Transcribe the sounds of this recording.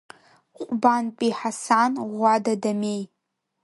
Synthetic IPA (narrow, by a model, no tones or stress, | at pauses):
qʷʼʊbaːnpʼiːħasaːnʁʷɑdɐdɐmeːj